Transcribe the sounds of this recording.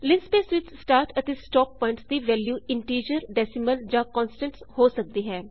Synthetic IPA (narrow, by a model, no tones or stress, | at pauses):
lɪ̃nspeːsʋɪt͡ʃʰsʈaːɾʈɛt̪esʈɔːpːɔ̃ːɪ̃ɳʈsd̪iːʋɛːljuːɪ̃ɳʈiːɾəɾɖɛːsɪməld͡ʒãːkɔ̃ːnsʈə̃ɳʈshoːsək̚d̪iːɦɛː